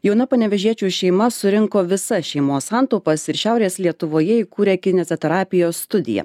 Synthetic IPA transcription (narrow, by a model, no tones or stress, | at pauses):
jɛʊnɐpɐnʲɛʋʲɛʒʲiɛt͡ʃʲuːʃʲɛɪmɐsʊɾʲɪŋkoːʋʲɪsɐʃʲɛɪmoːssɑˑnt̪oʊpɐsɪɾʃʲæˑʊɾʲeːslʲiɛt̪ʊʋoːjɛiːkuːɾʲeːkʲɪnʲɛzʲot̪ʲɛɾɑːpʲɪjoːsːt̪ʊd̪ʲɪ̰jɛ̰